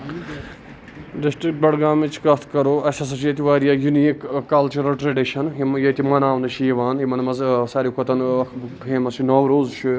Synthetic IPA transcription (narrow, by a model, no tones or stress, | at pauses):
ɖisʈɾik̚ʈ̚bɐɽɡaːmit͡ʃʰkɐt̪ʰkɐɾoːɐʃɐsɐt͡ʃjɐt̪iʋaːɾijaːjuniikkːɐlt͡ʃuɾɐlʈɾeɖiʃɐnɦimjɐt̪imɐnaːʋnɐʃʰijiʋaːnjimɐnmɐzsaːɾikʰot̪ɐnɐkʰpʰẽːmɐsinoːʋɾoːzt͡ʃʰu